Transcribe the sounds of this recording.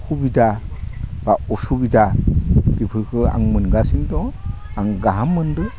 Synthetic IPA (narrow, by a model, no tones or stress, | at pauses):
hʰubida | b̥aɔsubidabipʰɯɾkʰɯa̰ŋmɯnɡasiŋdɔ | aŋɡaɦamːɯndɯ